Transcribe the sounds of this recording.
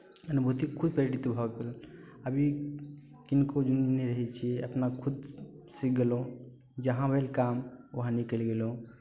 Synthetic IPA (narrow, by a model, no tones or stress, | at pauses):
ənubʱɦt̪ikʰud̪̚pəɾeʈit̪bʱɔkel | əbʱi | kinkod͡ʒunineɾəɦɛt͡ʃʰɛəpnakʰud̪ | sik̚ɡelõ | d͡ʒəɦãʋelkamoɦãnikəlɡelõ